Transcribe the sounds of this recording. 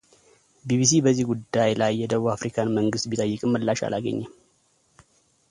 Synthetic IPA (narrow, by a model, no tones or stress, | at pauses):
biβis̬ibəzːihɡud̪ːajlajːɛd̪əβuafɾikʰanməŋɡɨst̪̚bit̪ʼəjːɨkʼɨmːəlːaʃa̰lʔaɡə̰ɲːɛm